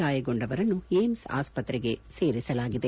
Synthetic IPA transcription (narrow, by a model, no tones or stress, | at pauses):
aːjɐɡo̞ɳɖɐʋɐɾɐnːueːmsa̰ːspɐt̪ɾɛɡe̞se̞ːɾisɐlaːɡid̪e